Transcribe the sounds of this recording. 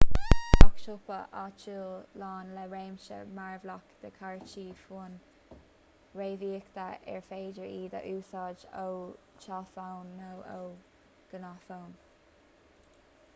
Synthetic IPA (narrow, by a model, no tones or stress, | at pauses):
ɔkʃʊpəʔat͡ʃuːlɑːnlɛɹeːmʃə̰maɹvlɔkd̪̥əkʰaɹt͡ʃiːfun | ɹeːviːkt̪aɛ̰ɹfeːdəɹiːd̪ə̰ʔuːsɑːd͡ʒow | t͡ʃaːfawnːowo̰w | ɡ̥ənafown